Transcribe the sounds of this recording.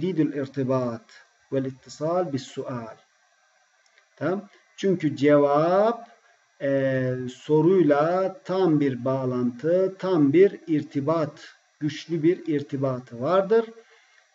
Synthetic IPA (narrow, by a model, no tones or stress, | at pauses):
d̪iːd̪ulʲiɾt̪ʰibaːt̪ | vælʲit̪ʰːisaːlʲbisːuʔaːlʲ | t̪ʰa | t͡ʃʰyɲcyd͡ʒevap | so̞ɾujlˠat̪ʰambiɾbaːlˠant̪ʰɯt̪ʰambiɾiɾt̪ʰibaːt̪ | ɟ̥yʃlʲybiɾiɾt̪ʰibaːt̪ʰɯvaɾd̪ɯɾ